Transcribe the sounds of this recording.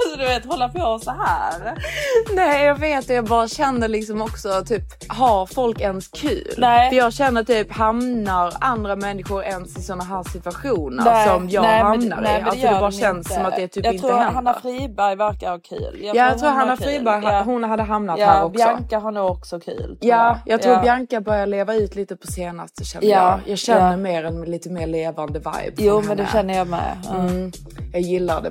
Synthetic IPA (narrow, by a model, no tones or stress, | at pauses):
sɔd̪ɵveːt̪hɔlːapʰoɔssɔɦæːɾnɛːjɑːɡveːt̪̚d̪ɛjɑːɡbɑːɾaɕɛnːəɾlɪksɔmɔksɔt̪ʰyːp | ɦaɾfɔlkɛnskʰʉ̟̰ːlnɛəɾjɑːɡɕɛnːət̪yːphamnaɾand̪ɾamɛnːɪɧʊɾɛnsɪsɔnːaɦæːʂɪt̪vaɧuːnə̰ɾsɔmjɑːnɡhamna̰ɾɪalsɔd̪ɛbɑːɾaɕɛnsːɔmat̪d̪ɛːt̪ʰyːɑtɪnɾːhanːafɾiːbæɾjvæɾkakʰʉ̰ːljjʰaːjatːt̪ɾuːɾhanːaffɾiːbæɾjɦaɦʊnɦad̪ːəɦamnat̪hæːɾɔbjaɔŋ̰kaɦaɾɳuːɡɔksɔkʰʉ̰ːlt̪jɑːjʔɑɡt̪ɾuːɾbjaŋkabœɾjaɭeːvaʉ̟ːt̪ʰliːt̪əpʰɔseːna̰st̪əɕɛ̰nːəjɑːɡɕɛnːəɾmeːɾɛnmɪliːt̪əmeːɾɭeːvand̪əva̰jbːmɛnd̪ɛʃɛnːəjɑmɛ̰m | jɑːɡjɪlːad̪ɛ̰